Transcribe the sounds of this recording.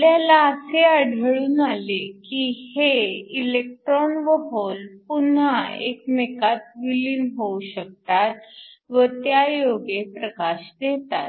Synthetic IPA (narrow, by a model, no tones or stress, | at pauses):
ljalaəseəɽʱəɭuːnalekiheilek̚ʈɾɔnʋəɦolpun̤aḛkmekat̪̚ʋiliːnɦouɕək̚t̪at̪ʋət̪jajoɡepɾəkaɕd̪et̪a̰t̪